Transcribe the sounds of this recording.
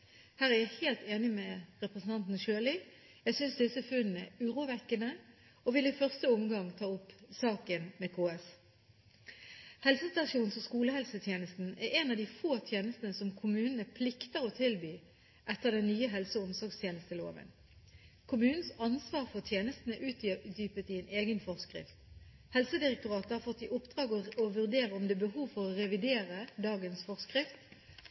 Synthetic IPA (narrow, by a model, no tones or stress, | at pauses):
hæːʁæʁjæɪheːlt̪eːnɪmɛʁɛpʁəsn̩t̪ʰɑnt̪n̩ʃøːlɪ | jæɪsʏnsd̪ɪsəfʉnn̩ɛʉːʁuːʋɛkːənə | ɔʋɪlɪfœʁst̪əʊmɡɑŋt̪ʰɑːʊpːsɑːkənmɛkʰoːɛs | hɛlsəst̪ɑʃuːnsɔskuːləhɛlsət̪ʰjeːnəst̪n̩æɾɛnɑʋd̪ifoːt̪ʰjeːnəst̪n̩əsɔmkʰʊmʉːnənəpʰlɪkt̪əɾɔt̪ʰɪlbyː | ʔɛt̪ːəʁd̪ɛnnyːəɦɛlsəʊmsɔʁɡst̪ʰjeːnəst̪əlo̰ːʋə̰n | kʰʊmʉːnn̩sɑnsʋɑːʁfɔʁt̪ʰjeːnəst̪nəʔʉːt̪d̪yːpət̪ɪɛnʔeːɡənfɔʁskʁɪ̰ft̪ | hɛlsəd̪ɪʁɛk̚t̪ʊʁɑːt̪əhɑːʁfɔt̪ːɪʔʊpd̪ʁɑːɡɔʋʉʁd̪eːʁəɔmd̪eːbəhuːʋfɔʁɔʁɛʋɪd̪eːʁəd̪ɑːɡənsfɔʁskʁɪft̪